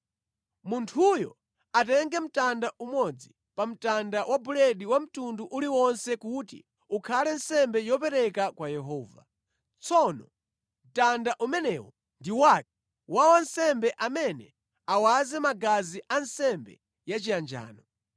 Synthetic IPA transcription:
muntʰujɔ̰ | atɛŋɡɛm̩tandaʔumɔd͡zi | pam̩tandawʔabulɛɗiwam̩tunduʔuliwɔnsɛkutḭ | ukʰalɛnsɛmbɛjɔpɛɾɛkakwajɛɦɔːva̰ | t͡sʰɔnɔ | m̩tandaʔumɛnɛːwɔ | ndiwak̚ɛ̥ | wawansɛmbɛʔamɛnɛ | awazɛmaɡaziʔansɛmbɛ̰ | jat͡ʃijand͡ʒa̰ːnɔ

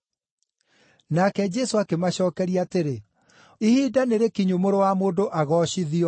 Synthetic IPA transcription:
nakɛd͡ʒɛsoakemaɕɔːkɛɾiateɾe | ihiːdaneɾekiɲumoɾowamoːndoʔaɣɔːɕiðiɔ

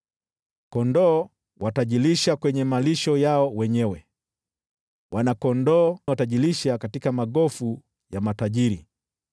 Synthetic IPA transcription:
kɔndɔː | wataʄiliʃakwɛɲɛmaliʃɔjaɔwɛɲɛwɛ | wʔanakɔndɔːwataʄiliʃakatikamaɡɔfu | jamataʄiɾi

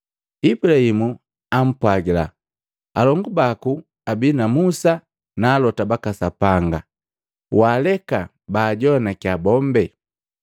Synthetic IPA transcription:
ibulahimu | am̩pwaɡila̰ | alɔŋɡubaku | abinamusa | naːlɔtabakasapaŋɡa | waːlɛka | baːɟɔnakiabɔmbɛ

